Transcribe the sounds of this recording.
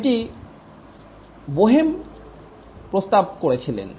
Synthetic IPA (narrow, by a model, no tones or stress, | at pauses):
ʈi | boɦem | pɾost̪ab̚koɾet͡ɕʰilḛn